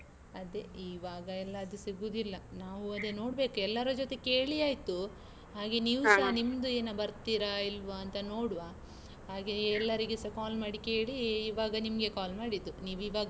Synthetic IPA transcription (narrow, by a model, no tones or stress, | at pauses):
ɐd̪e̞iːʋaːɡɐɛlːɐːd̪usiɡuːd̪ilːɐnaːʋuɐd̪eno̞ːɽbe̞ːkuɛlːɐɾud͡ʒot̪e̞ke̞ːɭijaːjt̪u | ɦaːɡe̞niːʋusaɦnimd̪ueːnɐbɐɾt̪iɾailʋaːnt̪ɐno̞ːɽuʋaː | ɦaːɡeɛlːɐɾiɡesɐkaːlmaːɽike̞ːɭiːʋaːɡɐnimɐɡe̞kaːlmaːɽid̪ːuniːʋiːʋaːɡɐ